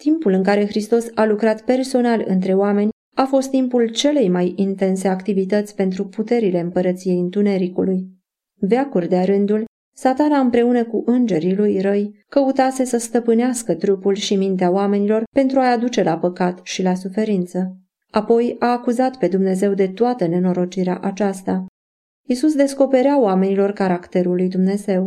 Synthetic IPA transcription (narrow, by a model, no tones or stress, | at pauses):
t̪impulɨŋkaɾe̞xɾist̪o̞salukɾat̪pe̞rso̞nalɨ̰nt̪ɾe̞oame̞nʲ | afo̞st̪ːimpult͡ʃe̞le̞jmajint̪e̞nse̞akt̪ivit̪ət̪sʲpe̞nt̪ɾuput̪e̞ɾile̞ɨmpəɾət̪sije̞jɨnt̪une̞ɾikuluj | veakurʲd̪eaɾɨnd̪ul | sat̪anaɨmpɾe̞unəkuʔɨnd͡ʒe̞ɾilujɾəjkəut̪ase̞səst̪əpɨneaskət̪ɾupulʃimint̪eaoame̞nilo̞rpe̞nt̪ɾuaad̪ut͡ʃe̞lapəkat̪ʃilasufe̞ɾint̪sə | apo̞jaːkuzat̪pe̞d̪umne̞ze̞wd̪e̞t̪oat̪əne̞no̞ɾo̞t͡ʃiɾea̰ʔat͡ʃast̪a | isusd̪e̞sko̞pe̞ɾeaoame̞nilo̞rkaɾakt̪e̞ɾulːujd̪umne̞ze̞w